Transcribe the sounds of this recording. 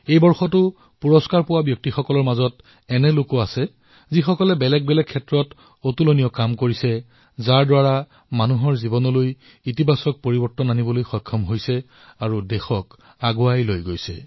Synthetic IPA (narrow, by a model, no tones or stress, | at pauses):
ejbɔɹxɔtʊ | puɹɔskaɹpʊwabjɔk̚tixɔkɔlɔɹmazɔt | ɛnɛlokɔasɛ | zixɔkɔlɛbɛlɛk̚bɛlɛk̚ʰːɛtɹɔt | otulonijɔkamkoɹisɛ | zaɹdwaɹa | manuɦɔɹzibɔnɔloj | itibasɔk̚poɹibɔɹtɔnanibɔlojxɔjkʰːɔmɦojsɛ | aɹudɛxɔk | aɡʊajlojɡojsɛ̰